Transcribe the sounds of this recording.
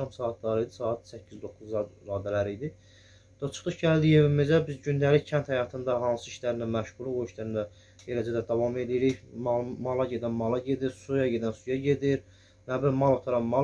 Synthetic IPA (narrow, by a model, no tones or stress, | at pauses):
ɑmsɑːɑt̪̚ʰlɑɾijd̪isɑːɑt̪sæcʰːizd̪o̞kːuzɾɑːd̪ælæɾijd̪i | d̪̥ɑt͡ʃʰɯ̥χɯʃɟæld̪ije̞vimizæbizɟynd̪æliçcʰænt̪hæjɑt̪ʰɯnd̪ɑɦɑnsɯiʃlæɾind̪æmæʃʁulˠuoiʃlæɾind̪æ | ɟelæd͡ʒæd̪æd̪ɑvɑme̞lijiɾiçmmɑlˠɑɟe̞d̪ænmɑlˠɑɟe̞d̪iɾsujɑɟe̞d̪ænsujɑɟe̞d̪iɾ | næbiɾmɑlˠot̪ʰɑɾɑnmɑl